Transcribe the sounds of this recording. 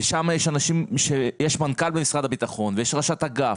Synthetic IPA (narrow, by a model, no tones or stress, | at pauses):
ʃamajeʃanaʃimʃejeʃmankalbemisʁad̪abit̪aχo̞nvejeʃʁaʃat̪aɡaf